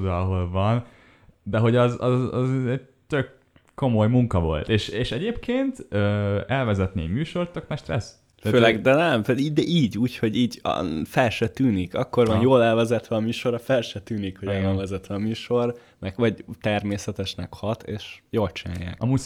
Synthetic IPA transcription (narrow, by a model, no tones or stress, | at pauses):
d̪ɑːɦolvɒn | d̪ɛɦo̞ɟɒzɒ̰zɒ̰zɛɟ̚ | t̪økː | o̞mo̞jmuŋkɒvo̞̰lt̪eːʃeːʃɛɟeːpkeːnt̪øːɛlvɛzɛt̪nḛmyːʃo̞rt̪ːøknɛʃt̪ɾɛs | føːlɛɡd̪ɛnɛmtɛid̪ɛʔiːɟuːcho̞ɟiːɟ̰fɛlʃɛt̪yːnikɒkːo̞rvɒnjoːlɛlvɛzɛt̪ʋɛɒmyːʃo̞ɾɒfɛlʃɛt̪yːnikhoɟɛolvɛzɛt̪ʋɛɒmyːʃo̞r | mɛkʋɒɟt̪ɛrmeːsɛt̪ɛʃnɛ̰khɒt̪ḛːʃjoːlt͡ʃina̰ːjːa̰ːkɒmuː